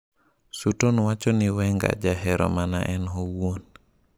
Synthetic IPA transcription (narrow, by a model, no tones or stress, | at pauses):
sutonwat͡ʃɔnɪwɛŋɡa̰d͡ʒaɦɛɾɔ̰mana̰ʔɛnɦowwon